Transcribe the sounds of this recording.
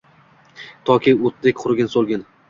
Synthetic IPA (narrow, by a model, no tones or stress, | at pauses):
t̪ʰɒkʲijot̪̚d̪ekʲqʰʊɾɡʲɪnsolˠɡʲɪn